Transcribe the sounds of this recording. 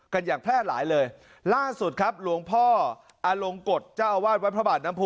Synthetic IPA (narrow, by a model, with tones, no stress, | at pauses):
ka˧njaː˨˩ŋpʰɛː˥˩t̪̚la̰ː˩˦jlɤː˧j | laː˥˩su˨˩t̪̚kʰa˦˥p̚lu˨˩˦əŋpʰɔː˥˩ | ʔa˧lo˧ŋko˨˩t̪̚t͡ɕaː˥˩ʔa˧waː˥˩t̪̚wa˦˥pʰɾa˧˦baː˨˩t̪̚na˦˥mpʰuː˧